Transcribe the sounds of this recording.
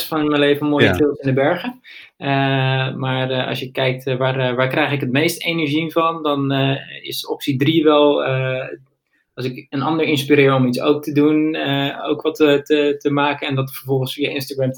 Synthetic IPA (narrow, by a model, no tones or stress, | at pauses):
sfɔnɪnmɛjnlejvənmoːjjətɪlˠtɪndəbɛɹχə | əmaːrɑ̰sjəkɛjk̚tʋarʋaːɹkrɛjxɪkɦətmejstenɛɹʒinvɑndɔnɪ̰sɔpsidriʋɛlˠ | ɑlˠsɪkənɑndəɹɪnspiɾɪːɹɔmitso̰wk̚tʰəduno̰wkʋɑtətətəmaːkənɛndɔtəfəɹvɔlˠχənsfiːjəʔɪnstaɡɹɛm